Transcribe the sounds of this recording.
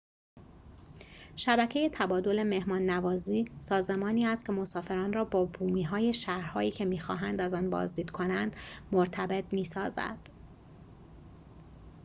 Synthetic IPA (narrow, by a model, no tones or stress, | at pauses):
ʃæbæcʰe̞je̞t̪ʰæbɒːd̪o̞le̞me̞hmɒːnːævɒːziːsɒːze̞mɒːniːæst̪̚cʰe̞mo̞sɒːfe̞ɾɒːnrɒːbɒːbuːmiːɦɒːje̞ʃæːhɾhɒːiːcʰe̞miːxɒ̰ːɦænd̪æzɒːnbɒ̰ːzd̪iːd̪kʰo̞nænd̪̥moɾt̪ʰæbe̞t̪̚miːsɒːzæ̰d̪̥